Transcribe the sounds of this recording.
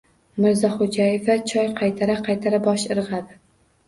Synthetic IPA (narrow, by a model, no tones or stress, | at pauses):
mɪɾzɒχod͡ʒajevat͡ʃʰɒjqʰɑjt̪ʰaɾaqʰɑjt̪ʰaɾabɒʃɨɾʁɑd̪ɪ